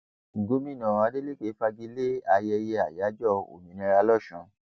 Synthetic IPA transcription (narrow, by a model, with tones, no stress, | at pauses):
ŋ̩˨ɡo˨˦mĩ˦˨nã˨a˧˦de˦le˦˨ke˨˦fa˧ɡi˦le˦a˧jɛ˧je˧a˨ja˨˦d͡ʒɔ˦˨o̰˨mĩ˨nĩ˧˦˧ɾa˧lɔ˦˨ʃũ˧˦